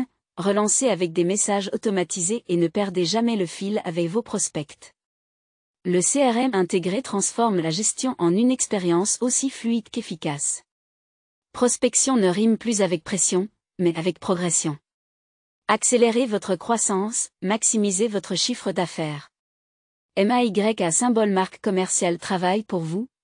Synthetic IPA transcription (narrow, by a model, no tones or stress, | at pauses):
ʁəlɑ̃seavɛk̚d̪emesaʒot̪ɔmat̪izeʔenəpɛʁd̪eʒamɛləfila̰vɛkvopχɔspɛkt̪ | ləseɛʁɛɛ̃t̪eɡʁet̪χɑ̃sfɔʁmlaʒɛst̪jɔ̃ʔɑ̃nynɛkspeʁjɑ̃sosiflɥid̪kefikas | pχɔspɛksjɔ̃nəʁimplyzavɛk̚pχesjɔ̃ | mɛavɛk̚pχɔɡʁɛsjɔ̃ | akseleʁevɔt̪χəkχwasɑ̃smaksimizevɔt̪χəʃifχəd̪afɛːʁ | ɛmaiɡʁɛkasɛ̃bɔlmaʁkːɔmɛʁsjalt̪χavajpuʁvu